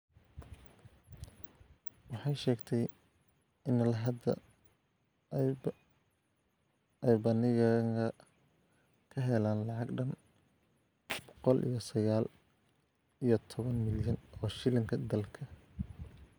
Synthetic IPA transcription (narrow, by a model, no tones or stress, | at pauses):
wɑħɑjʃɛːɡt̪ʰɛj | ɪnːɐlɐɦɐd̪ɐ̰ | ɛjbɐnɪɣɐŋɡɐ | kʰɐɦɛlaːnlɑʕɑɡɖɐn | b̥ɔ̥qɔlʔḭjɞsɐɣaːl | ijɞt̪ʰɔβɐnmɪljɐnɔːʃɪlɪŋkʰɐd̪ɐlkʰɐ